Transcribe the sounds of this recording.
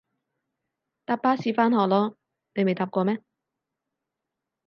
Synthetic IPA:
t̪aː˧˥p̚ːaː˥siː˨˧faː˥nɦɔː˨˩lɔː˥ | ne˨˧jme˨jt̪aː˧˥p̚kɔː˧mɛː˥

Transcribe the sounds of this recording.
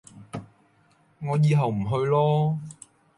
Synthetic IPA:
ŋɔː˨˧jiː˨˧ɦɐ˨wm̩˨˩ɦɵ˧ɥlɔː˥

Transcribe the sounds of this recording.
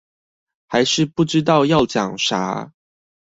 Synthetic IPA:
xa˧˦ɪʂɻ̩˥˧pu˥˨ʈ͡ʂɻ̩˥t̪ɑ˥˧ʊjɑ˥˨ʊt͡ɕjɑ̰˨˩ŋʂa̰˧˦˥

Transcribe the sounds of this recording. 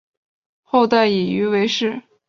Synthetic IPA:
xo˥˧ʊt̪a˥˩ɪi˨˩y˧˥we˧˥ɪʂɻ̩˥˩

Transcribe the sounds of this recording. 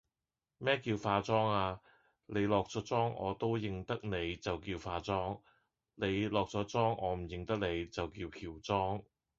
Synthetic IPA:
mɛː˥kiː˧wfaː˧t͡sɔː˥ŋaː˧ | ne˨˧jlɔː˨k̚t͡sɔ˨˥t͡sɔː˥ŋɔ̰ː˨˧t̪o˥wjɪ˨ŋt̪ɐ˥k̚ne˨˧jt͡sɐ˨wkiː˧wfaː˧t͡sɔː˥ŋ | ne˨˧jlɔː˨k̚t͡sɔː˨˥t͡sɔː˥ŋɔ̰ː˨˧m̩˨˩jɪ˨˧ŋt̪ɐ˥k̚ne˨˧jt͡sɐ˨wkiː˧wkʰiː˨˩wt͡sɔː˥ŋ

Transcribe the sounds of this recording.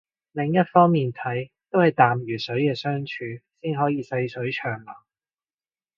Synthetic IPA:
lɪ˨˩ŋjɐ˥t̚fɔː˥ŋmiː˨nt̪ʰɐ˨˥jt̪o˥whɐ˨jt̪aː˨˩mjyː˨˩sɵ˨˥ɥkɛː˧sœː˥ŋt͡ʃʰyː˨˧siː˥nɦɔː˨˥jiː˨˧sɐ˧jsɵ˨˥t͡ʃʰœː˨˩ŋlɔː˨˩

